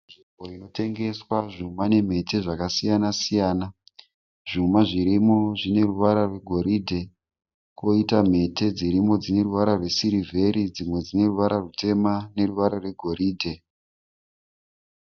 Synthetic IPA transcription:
ʐiboino̞te̞ŋɡe̞swaʐumane̞m̤e̞te̞ʐakasijanasijaːna | ʐ̥umaʐiɾimoʐine̞ruʋaɾarwe̞ɡʱo̞ɾidʱe̞ | ko̞itam̤e̞te̞d͡ziɾimo̞d͡zine̞ruʋaɾarwe̞siɾivʱe̞ɾid͡zimwe̞d͡zine̞ruʋaɾarute̞mane̞ruʋaɾarwe̞ɡʱo̞ɾiːdʱe̞

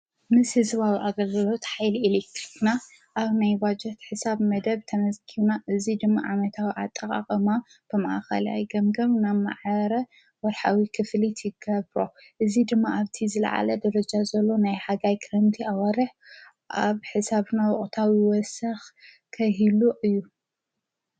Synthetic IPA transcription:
mɨshɨzβawiʔaɡɐlɡɐlo̞t̪ħajlielek̚t̪ɾikna | ʔaβnajbad͡ʒɛt̪ħɨsaβmɐd̪ɐβt̪ʰɐmɐzkʰiβnaʔɨzid̪ɨmːa̰ʕamɐt̪ʰawiʕat̪ʼːɐkʼa̰χʼɐma | b̥ɨmɐʔa̰xɐ̰la̰jɡɐmɡɐβnama̰ʕɐɾɐ | wɔɾħawikʰɨflit̪ʰjɪɡɐβɾo̞ | ʔɨzid̪ɨmːaaβt̪ʰizɨlɐ̰ʕa̰lɐd̪ɐɾɐd͡ʒazɐlːo̞najħaɡajkʰɾɐnt̪ʰiawaɾɨħ | ʔaβħɨsaβnawɔχʼt̪ʰawiwɔsɐx | kʰɐɦiluʔɨjːu

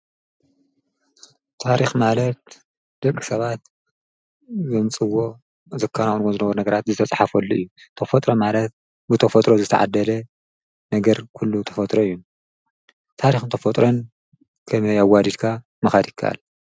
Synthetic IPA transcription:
t̪ʰaɾixmalɐt̪̚ | d̪̥ɐkʼːisɐβat̪̚ | zɨmt͡sʼɨwo̞ | zɨkʰːanawonwozɨnɐβɐɾunɐɡɐɾat̪zɨt̪ʰɐt͡sʼħafolːoʔɨjːut̪ʰɐfot̪ʼɾomalɐt̪̚ | bɨt̪ʰɐfɐt̪ʼɾozɨt̪ʰɐ̰ʕa̰d̪ːɐlɐ | nɐɡɐɾkʰulːut̪ʰɐfɐt̪ʼɾoɨjːu | t̪ʰaɾixɨnt̪ʰɐfɐt̪ʼɾon | kʰɐmɐjawad̪id̪kʰa | mɐxad̪jɪkʰːa̰ʔa̰l

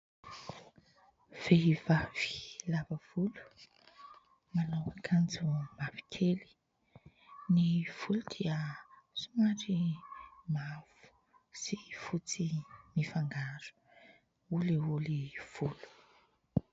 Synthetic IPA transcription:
v̥eivav̥i̥lavəv̥ulu̥ | manawakʰand͡zumavi̥kʰeli̥ | niv̥ulud̪̥iəsumaɾi | mav̥u̥ | sifut͡simifaŋɡaɾu̥ | uleuliv̥ulu̥

